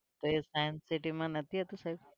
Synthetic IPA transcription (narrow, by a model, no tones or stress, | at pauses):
t̪oesajnsiʈimãnɐt̪ʰiɦɛt̪usaib